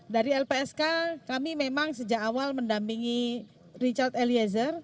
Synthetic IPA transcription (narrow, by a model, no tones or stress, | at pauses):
daɾiɛlpeɛskakamimemaŋsəd͡ʒakawalməndampiŋi | rit͡ʃart̪eliɛz̬ər